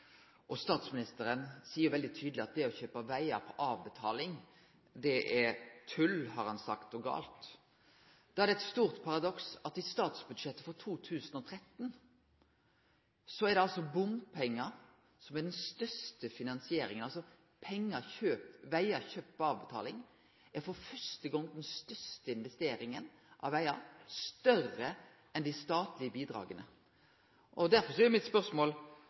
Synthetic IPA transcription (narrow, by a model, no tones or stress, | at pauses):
ʔɔst̪ɑːt̪smɪnɪst̪əɾənsiːəɾʋɛld̪ɪt̪ʰyːd̪lɪɑt̪̚d̪ɛɔçøːpɑʋæɪɑpʰɔʔɑːʋbɛt̪ʰɑ̰ːlɪŋ | d̪ɛʔɛɾt̪ʰʉlhɑɾhɑnsɑkt̪ɔɡɑ̰ːlt̪ | d̪̥ɑːæɾd̪ɛt̪st̪uːʁt̪pʰɑʁɑd̪ɔksɑt̪ɪst̪ɑːt̪sbʉd̪ʂɛt̪ːəfɔʁt̪ʰuːt̪ʰʉːsənɔt̪ʰɾɛt̪ːn | sɔɛɾd̪ɛɑlsɔbʊmpʰɛŋːə | sɔmɛɖ̪ɛnst̪œst̪əfɪnɑnsɪeːɾɪ̰ŋənɑlsɔ | pʰɛŋːəçøːpʋæɪɑçøːpːɑːʋbət̪ʰɑ̰ːlɪŋ | æɾfɔɾfœʂt̪əɡɔŋd̪ɛnst̪œst̪əɪnʋɛst̪eːɾɪŋən | ʔɑ̰ʋʋæɪɑst̪œrə | ɛnd̪æɪst̪ɑːt̪lɪəbiːd̪ɾɑ̰ːɡənə̰ | ʔɔd̪æɾfɔʂɔɛɾmɪt̪spœɾsmoːl